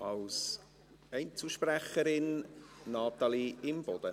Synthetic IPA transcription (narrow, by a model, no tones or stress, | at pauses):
ɑls | ɛɪnt͡suʃpræχəɾɪnnɑt̪ɑliɪmb̥ɔd̪̥ə